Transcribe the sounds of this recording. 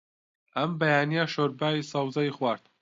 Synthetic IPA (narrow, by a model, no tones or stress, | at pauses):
ɐmbɐjaːnijaʃoɾbaːisɑwzaixwaːɾt̪